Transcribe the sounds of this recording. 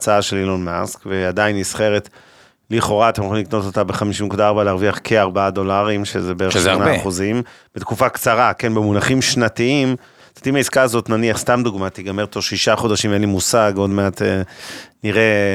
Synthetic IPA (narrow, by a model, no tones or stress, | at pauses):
t͡saaʃe̞lilonmaskvead̪ainisχe̞ʁet | liχo̞ʁaat̪emoχimlikno̞t̪o̞t̪abeχamiʃimnekud̪aaʁbaleaʁviaχkʰeaʁbaad̪o̞laʁimʃezebeʃanaːχuzimb̥et̪kufakt͡saʁake̞nbemunaχimʃnat̪iim | tot̪imaiskaazo̞tnaniaχst̪amd̪uɡmat̪iɡameʁt̪oʁʃiʃaχo̞daʃimvenlimusaɡo̞dmeat̪eniʁe